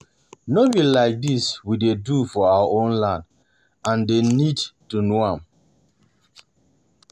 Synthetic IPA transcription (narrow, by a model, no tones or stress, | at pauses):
nobilaɪk̚diswidedufɔawaʔõnlãnd | ãndenidtunoãm